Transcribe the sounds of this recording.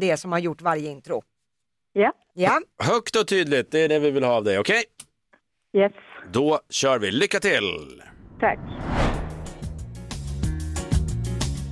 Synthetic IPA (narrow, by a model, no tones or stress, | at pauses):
d̪ɛsɔmhaɾjʊʈːvaɾjəɪnt̪ɾʊ | ja | jahœkt̪ɔt̪ʰyːd̪lɪt̪̚d̪ɛːɖɛvɪvɪlhɑːvd̪ɛjɔkʰɛj | jɛsd̪ɔɕœːɾvɪlʏkːat̪ʰɪlt̪ʰa̰kː